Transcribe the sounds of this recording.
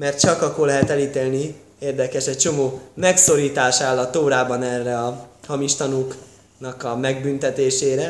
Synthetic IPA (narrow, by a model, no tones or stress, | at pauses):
mɛrt̪̚t͡ʃɒkɒkːorlɛɦɛt̪ɛliːt̪eːlni | eːrd̪ɛkɛʃɛc̚t͡ʃo̞moːmɛkso̞ɾiːt̪aːʃaːlːɒt̪ːoːɾaːbɒnɛrːɛɒhɒmiʃt̪ɒnuk | nɒkɒmɛɡ̚bynt̪ɛt̪eːʃeːɾɛ